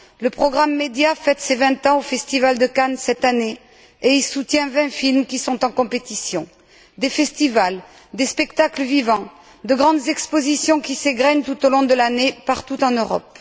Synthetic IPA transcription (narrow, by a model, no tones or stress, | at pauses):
ləpχɔɡʁamːed̪jafɛt̪sevɛ̃t̪ɑ̃ofɛst̪ivald̪əkansɛt̪ane | eilsut̪jɛ̃vɛ̃filmkʲisɔ̃t̪ɑ̃kɔ̃pet̪isjɔ̃ | d̪efɛst̪ival | d̪espɛkt̪akləvivɑ̃ | d̪əɡʁɑ̃d̪zɛkspozisjɔ̃kʲiseɡʁɛɲt̪ut̪olɔ̃d̪əlanepaʁt̪ut̪ɑ̃nøʁɔ̰p